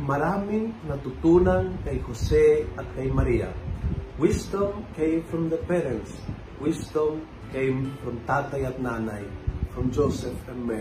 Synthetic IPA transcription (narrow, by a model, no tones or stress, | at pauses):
maɾamiŋnat̪ut̪unaŋkajxoseatkajmaɾia̰wɪst̪ɔ̃mkẽjmfɾɔmd̪əpɛɾɛ̃ns | wɪst̪ɔm | kẽjmfɾɔmt̪at̪ajat̪̚nanajfɾɔ̃md͡ʒosɛfɛ̃nmɛ